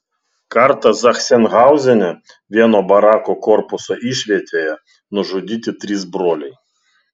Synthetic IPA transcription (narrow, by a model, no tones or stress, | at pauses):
kɐɾt̪ɐzɐxsʲɛnɣɑˑʊzʲɛnʲɛ | ʋʲiɛnoːbɐɾɑːkokɔɾpʊsoːʔiːʃʲʋʲiɛt̪ʲeːjɛ | nʊʒʊd̪ʲiːt̪ʲɪt̪ʲɾʲiːs̬bɾoːlʲɛɪ